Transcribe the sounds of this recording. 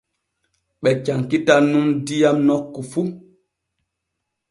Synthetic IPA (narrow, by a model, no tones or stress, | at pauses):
ɓɛt͡ʃaŋkitanumdijamnɔkːufu